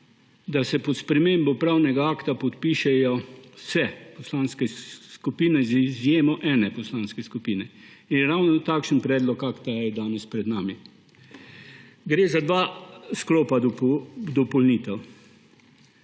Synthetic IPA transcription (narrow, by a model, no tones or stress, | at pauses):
d̪asɛpɔt̪spɾɛmembɔpɾawnɛɡaaːkt̪apɔt̪piːʃɛjɔsɛpɔslaːnskɛskupiːnɛzizjeːmɔʔɛːnɛpɔslaːnskɛskupiːnɛinjɛɾawnɔt̪aːkʃənpɾɛːd̪lɔkakt̪ajɛd̪aːnɛspɾɛd̪naːmi | ɡɾeːzad̪ʋaːsklɔːpad̪ɔd̪ɔpɔlniːt̪ɛw